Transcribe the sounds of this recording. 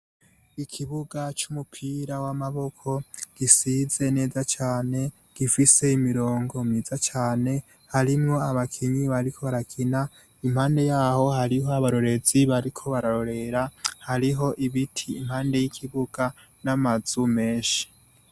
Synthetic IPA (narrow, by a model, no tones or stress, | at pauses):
ikʰiβuɡat͡ʃumupʰiɾawamaβo̞kʰo̞ɡ̥isize̞ne̞ːzat͡ʃaːne̞ | ɡ̥ifise̞imiɾo̞ːŋɡo̞mizat͡ʃaːne̞ | haɾimŋo̞aβakʰiɲiβaɾikʰo̞βaɾakʰina | imhaːnde̞jaːho̞haɾiɦoaβaɾo̞ɾe̞ziβaɾikʰo̞βaɾaɾo̞ɾe̞ɾahaɾiɦo̞ʔiβitʰiːmhaːnde̞jikʰiβuɡ̥a | namaz̥ume̞ːʃi̥